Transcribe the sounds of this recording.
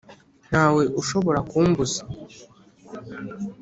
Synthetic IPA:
n̥haːwe̞ʔuʃo̞βo̞ɾakuːmbuzḁ

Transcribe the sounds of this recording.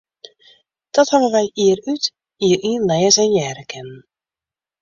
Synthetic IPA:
d̥ɔthavənʋɛjiːəryt | iːəɾʔiənlɛjəzɛnjɛːɾəkʰɛnn

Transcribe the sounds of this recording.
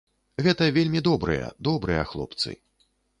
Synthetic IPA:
ɣɛt̪ɐvʲelʲmʲid̪ɔbɾɨjɐ̰d̪ɔbɾɨjɐ̰xlˠɔ̰p̚t̪sɨ̰

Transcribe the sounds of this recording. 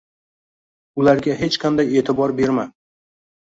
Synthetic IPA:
ʊlaɾɡʲaɦe̞t͡ʃqʰand̪aje̞ːt̪ʰɪbɒɾbe̞ɾma

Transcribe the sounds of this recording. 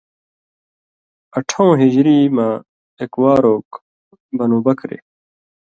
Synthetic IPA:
ɐʈʰõːɦid͡ʑɾiːmaː | ekwaːɾoːk | bɐnũːbɐkɾḛ

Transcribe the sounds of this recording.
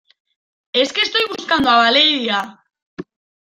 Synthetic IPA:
e̞ske̞st̪o̞jɣuskand̪uaβaleiðia

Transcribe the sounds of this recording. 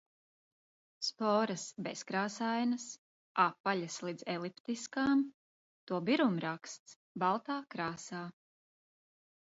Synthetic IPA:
spɔːɾɐsbɛskɾaːsajnɐs | apːaʎaslid̪z̥ɛlˠipt̪iskaːm | t̪uɔbiɾumɾakst̪s | balˠt̪aːkɾaːsaː

